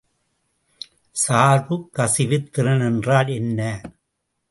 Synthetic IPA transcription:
saːɾʋɯkːɐsɪʋɪt̪ːɪɾɐnɛndraːlɛnːɐ

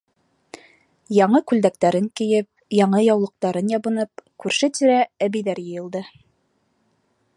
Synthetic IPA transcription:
jɑɴɤkʉld̪æk̚t̪æɾɘŋkɘ̆jɘp̚jɑɴɤjɑwlˠɤ̆q̚t̪ɑɾɤnjɑβɤ̆nɤp̚kʉɾʃɘt̪iɾææβijðæɾjɤ̆jɤ̆lˠd̪ɤ

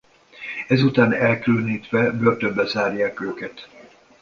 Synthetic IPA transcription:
ɛzut̪aːnɛlkylniːt̪ʋɛbørt̪øbːɛzaːrjaːkøːkɛt̪

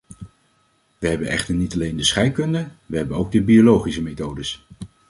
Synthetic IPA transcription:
ʋəɦɛbənɛ̰χtəɹnitɑlejndəsχɛjkɵndəʋəɦɛbənowɡ̚dəbiolowχisəmejtowdəs

